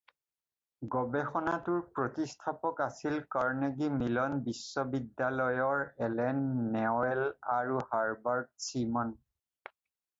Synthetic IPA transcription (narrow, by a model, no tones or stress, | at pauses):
ɡɔbɛxɔnatʊɹpɹotistʰapɔkasilkaɹneɡimilɔnbisːɔbidːalɔjɔɹɛlɛnːɛɛlaɹuhaɹbaɹd̚simɔn